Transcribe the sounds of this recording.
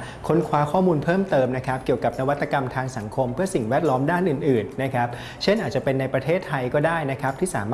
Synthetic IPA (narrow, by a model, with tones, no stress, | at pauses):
kʰo˦˥nkʰwaː˧kʰɔː˥˩muː˧npʰɤː˥˩mt̪ɤː˧mna˦˥kʰa˦˥p̚ki˨˩əwka˨˩p̚na˦˥wa˦t̪ːa˧ka˧mt̪ʰaː˧ŋsa˩˦ŋkʰo˧mpʰɯ˥˩ɐsi˨˩ŋwɛː˥˩t̪̚lɔː˦˥mdaː˥˩nʔɯː˨˩nʔɯː˨˩nːa˦˥kʰa˦˥p̚ | t͡ɕʰe˥˩nʔaː˨˩t̪̚t͡ɕa˨˩pe˧nːa˧jpɾa˧t̪ʰeː˥˩t̪ʰːa˧jkɔː˥˩daː˥˩jna˦˥kʰa˦˥p̚t̪ʰiː˥˩saː˩˦mː